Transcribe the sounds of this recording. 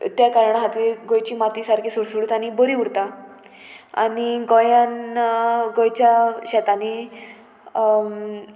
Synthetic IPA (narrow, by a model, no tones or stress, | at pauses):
t̪jakaɾɳaɦat̪iːɾɡojt͡ɕiːmat̪isaɾkʰisuɽsuɽut̪añibəɾiuɽt̪a | a̰niɡojãn | ɡojt͡ɕaɕɛt̪ani